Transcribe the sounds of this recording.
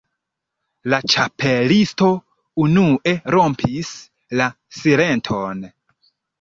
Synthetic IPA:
lat͡ʃapelisto̞ | unuʔe̞ɾo̞mpʰis | la | sile̞ntʰo̞n

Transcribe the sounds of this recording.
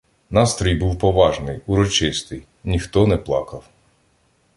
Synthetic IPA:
nɑst̪ɾɔjbuwpɔʋɑʒnɪjuɾɔt͡ʃɪst̪ɪj | nʲixt̪ɔnɛplˠɑ̰kɐw

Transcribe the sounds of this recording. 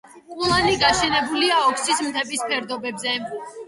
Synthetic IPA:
kʼulˠaniɡaʃɛnɛbuliaɔkʰsismt̪ʰɛbispʰɛɾd̪ɔbɛbzɛ

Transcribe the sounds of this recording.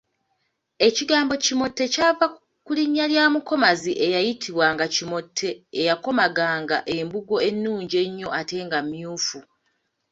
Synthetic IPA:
e̞ciɡaːmbo̞cimo̞tːe̞caːva | kuliɲːaljaːmuko̞maziʔejajitʰiβwaŋɡacimo̞tʰːe̞ːjako̞maɡaːŋɡaʔe̞mbuɡo̞e̞nːuːɲɟe̞ɲːo̞ʔate̞ːŋɡamːjuːfu

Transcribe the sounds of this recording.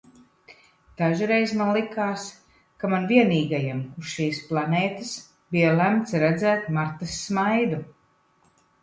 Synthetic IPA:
d̪̥aʒuɾɛjzmanlˠikaːs | kamanviɛniːɡajamusʃiːsplˠanɛːt̪ɨs | bijalæmt̪sɾɛd̪zæːt̪maɾt̪asːmajd̪u

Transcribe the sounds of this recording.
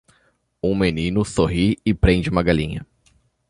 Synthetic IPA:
ũmenĩnʊsoɦiɪpɾẽnd͡ʒɪũmɐɡalĩɲɐ

